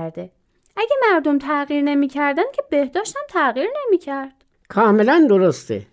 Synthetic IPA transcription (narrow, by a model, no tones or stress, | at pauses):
ɾd̪e | ʔæɟemæɾd̪omt̪ʰæɣiːɾne̞miːcʰæɾd̪ænd̪̚cʰebehd̪ɒːʃt̪hæmt̪ʰæɣiːɾne̞miːcʰæɾd̪̥ | kʰɒːmelænd̪oɾost̪ʰḛ